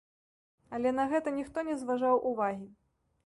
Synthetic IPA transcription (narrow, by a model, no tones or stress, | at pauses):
alʲɛn̪ɐɣɛt̪ɐnʲixt̪ɔnʲɛzvaʐawʔuvaɣʲi